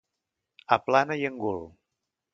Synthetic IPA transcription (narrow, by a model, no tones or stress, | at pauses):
aplanajəŋɡul